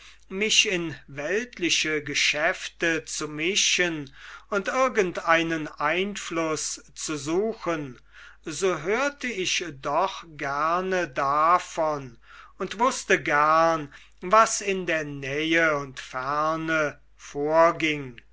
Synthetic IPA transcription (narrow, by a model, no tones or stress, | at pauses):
mɪʃɪnvɛltʰlɪʃəɡəʃɛftət͡sumɪʃənʊntɪɐɡəntaɪnənʔaɪnflʊst͡suzuːxən | zoːɦøːɐtʰəɪʃdɔχɡ̥ɛɐnədafɔn | ʊntv̥ʊstəɡæɐn | vasɪndeːɐnɛjəʊntfæʁnə | foːɐɡɪŋ